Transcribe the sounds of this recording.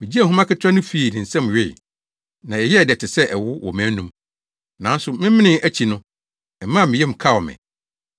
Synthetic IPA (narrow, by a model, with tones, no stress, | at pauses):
mɪ̃˨d͡ʑi˦æ˨ɦũ˦mã˦kʰɪ˦tʰɾa˦nʊ̃˦fi˦˨nɪ̃˨n̩˨sɛ̃˦m˨ɥᶣɪ˦˨ | nã˨ɛ˨jɛ˦˨dɛ˨tʰɪ˨sɛ˦ʔɛ˨wʊ˦wɔ̰˨mæ̃ː˦nũ˦m | nã˨n̩˦sʊ˨mɪ̃˦mɪ̃˦nɪ̃˨ʔæ˦t͡ɕʰi˨nʊ̃˦ | ɛ˨mã˦˨mɪ̃˨jɛ˦m˨kʰa˦wɔ˨mɪ̰̃˨